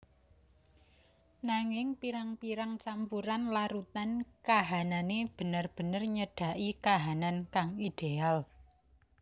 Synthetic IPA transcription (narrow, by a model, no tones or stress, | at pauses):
naŋɪŋpiɾaŋpiɾaŋt͡ʃampuɾanlaɾut̪ankaɦananeb̥ə̤nərb̥ə̤nərɲəɖ̥a̤ʔikaɦanankaŋid̪̥eal